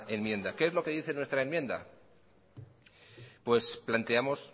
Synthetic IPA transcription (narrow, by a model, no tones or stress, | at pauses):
e̞nmje̞nd̪ake̞ezlo̞ke̞ðiθe̞nwe̞st̪ɾaenmjẽ̞nd̪a̰ | pwe̞splant̪e̞amo̞s